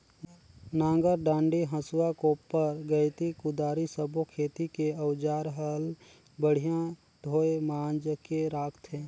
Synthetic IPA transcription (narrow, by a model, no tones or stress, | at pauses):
nãːŋɡəɾɖãːɳɖiɦə̃sʊwakoːpːəɾɡəɪt̪ikʊd̪aːɾisəbʱokʰeːt̪ikeəwd͡ʒaːɾɦəl | bəɽ̤ijã | d̪ʱoːemaːnd͡ʒəkeɾaːkʰt̪ɦẽː